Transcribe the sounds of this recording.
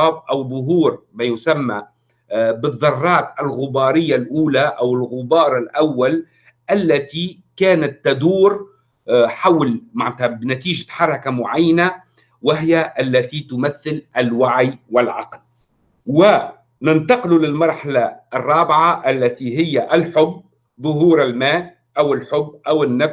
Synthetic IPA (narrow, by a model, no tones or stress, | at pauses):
ɑːb̚ʔawðˤʊɦuːɾmajʊsamːa | bɨðˤːɑrˤːɑːt̪alɣʊbɑːɾɪjːalʔuːlaʔawɪlɣʊbɑːɾˤɪlʔawːal | ʔalːat̪i | kaːnat̪ːad̪uːɾ | ħawlmaʕnɪt̪abnat̪iːʒaħɑɾˤɑkamʊʕajːana | wɪɦɪjaʔalːat̪it̪ʊmaθːɪlʔɪlwaʕiwɪlʕɑ̰ql | wɪ | nɪnt̪ɑqɪlulɪlmɑɾˤħalaʔːrˤːɑːbɪʕaʔalːat̪iɦɪjːaʔɪlħʊbː | ðˤʊɦuːɾɪlmaː | ʔawɪlħʊbːʔawɪnːaf